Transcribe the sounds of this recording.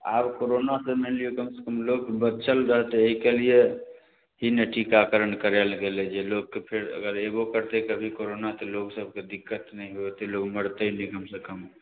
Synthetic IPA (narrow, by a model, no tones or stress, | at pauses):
a̰bkoɾonasəmeliokəmse̥kəmlokbət͡ʃʰəlɾəɦt̪eeɦikelije | ɦinəʈʰikakəɾənkəɾelɡelɛd͡ʒeloɡːepʰeɾə̰ɡəɾeɡokəɾt̪ekəbʱikoɾonat̪ɔloɡsəb̚ʱked̪ikːət̪nɛiɦuet̪eloɡməɽt̪enikəmsekəm